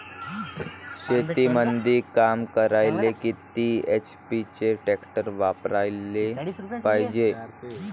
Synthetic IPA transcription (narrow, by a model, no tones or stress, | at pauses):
ɕet̪imənd̪ʱiːkamkəɾajlekit̪iːet͡ɕpit͡ɕeʈɛkʈəɾʋapɾajlepajd͡ʑe